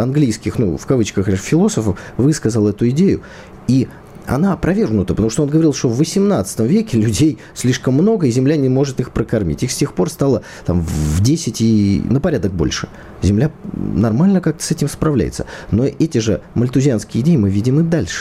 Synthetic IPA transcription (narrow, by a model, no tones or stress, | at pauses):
ɐnɡlʲijskʲɪxnṵfkɐvɨt͡ɕkəxfʲɪlˠo̞səfəfvɨskəzəlˠəɛt̪ʊɪdʲejʊ̰ | i | ɐ̰naɐpɾɐvʲe̞rɡnʊt̪əpət̪ɐmuʂt̪oonɡəvɐɾʲilˠʂt̪ovːəsʲɪmnat̪sə̥t̪əmvʲekʲɪlʲʉdʲej | sʲlʲiʂkəmːno̞ɡəɪzʲɪmlʲanʲɪmo̞ʐɨt̪ɨxpɾəkɐrmʲḭtʲixsʲtʲe̞xpo̞rst̪alˠə | t̪amvdʲesʲɪtʲɪnəpɐɾʲad̪ək̚bo̞̰lʲʂɨ̥ | zʲɪmlʲanɐrmalʲnəkak̚t̪ə̥sɛtʲɪmspɾɐvlʲæ̰jɪ̰t̪səno̞ʔɛtʲɪʐɨməlʲɪt̪ʊzʲɪanskʲɪəɪdʲejɪmɨvʲidʲɪmɨd̪alʲʂɨ̥